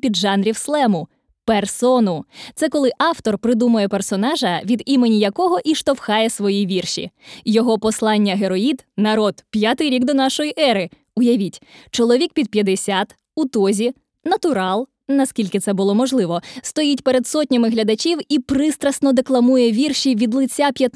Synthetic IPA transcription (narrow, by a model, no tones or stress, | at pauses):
pʲid̪ʒɑnɾʲiwslˠɛmʊ | persɔnʊt̪sɛkɔlˠɪʔɑwt̪ɔrpɾɪd̪umʊjɛpersɔnɑʒɐʋʲid̪imenʲijɐkɔɦɔʔiʃt̪ɔwxɑjɛsʋɔjiʋʲirʃḭjɔɦɔpɔslˠɑnʲːɐɦeɾɔid̪nɐɾɔd̪pʲjat̪ɪjɾʲiɡd̪ɔnɑʃɔjiʔɛɾɪ | ʊjɐʋʲitʲt͡ʃɔlˠɔʋʲik̚pʲid̪̚pʲjɐd̪esʲat̪ | ut̪ɔzʲi | nɐt̪ʊɾɑlˠ | nɐskʲilʲkɪt̪sɛbʊlˠɔmɔʒlˠɪʋɔst̪ɔjitʲpeɾed̪sɔt̚ʲnʲɐmɪɦlʲɐd̪ɐt͡ʃʲiwipɾɪst̪ɾɐsnɔd̪eklˠɐmujɛʋʲirʃʲiʋʲid̪lˠɪt͡sʲːapʲjɐt̪